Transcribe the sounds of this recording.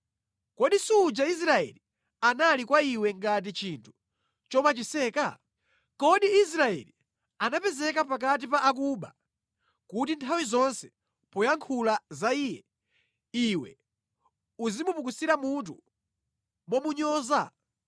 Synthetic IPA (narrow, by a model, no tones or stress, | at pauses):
kɔɗisuːd͡ʒais̬ɾaɛ̰li | analikwaiwɛŋɡat̬it͡ʃintʰu̥ | t͡ʃɔmat͡ʃisɛːka | kɔɗiis̬ɾaɛ̰li | anapɛzɛkapak̬at̬ipaʔːk̬uɓa | kutintʰawizɔnsɛ̥ | pɔjaŋkʰulazaijɛ | iwɛ̰ | uzimupukusiɾamunt̬ṵ | mɔmuɲɔːza